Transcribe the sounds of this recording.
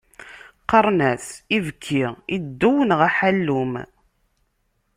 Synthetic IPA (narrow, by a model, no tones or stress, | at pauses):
qəɾˤnæθivkʰːiʁid̪ːuwənʁæħælːum